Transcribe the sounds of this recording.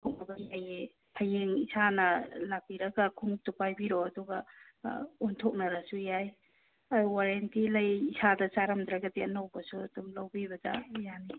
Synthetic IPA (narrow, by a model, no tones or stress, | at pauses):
tʰok̚nɐbɐjaje | pʰajeŋisʰanɐlak̚biɾɐɡɐkʰuŋup̚tupajbiɾoɐduɡɐ | untʰok̚nɐɾasujaj | awaɾentilɐjisadɐsaɾamd̪ɾaɡɐdiɐnawbɐsuɐdumlawbibɐda̰jani